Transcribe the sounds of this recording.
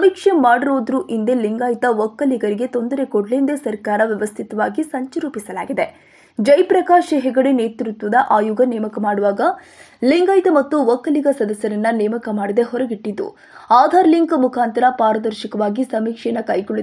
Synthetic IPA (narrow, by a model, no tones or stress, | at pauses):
sɐmiːkʂemaːɽiɾoːd̪ɾuʔind̪eliŋɡaːjt̪ɐʋɐkːɐliɡɐɾiɡe̞t̪o̞nd̪ɐɾe̞koɖlend̪esɐɾkaːɾɐʋjɛʋɐst̪ʰit̪ɐʋaːɡisɐɲt͡ʃɐɾuːpisɐla̰ːɡid̪e | d͡ʒɐjpɾɐkaːʃɐɦɛɡɐɽeneːt̪ɾut̪ʋɐd̪ɐʔaːjuɡɐneːmɐkɐmaːɽuʋaːɡɐ | liŋɡaːjt̪ɐmɐt̪ːuʋɐkːɐliɡɐsɐd̪ɐsjɐɾɐnːɐneːmɐkɐmaːɽid̪e̞ɦɔɾɐɡiʈːid̪ːṵ | aːd̪ʱaːɾliŋkmukʰaːnt̪ɐɾɐpaːɾɐd̪ɐɾʃikɐʋaːɡisɐmiːkʂejɐnːɐkɐjɡoɭːi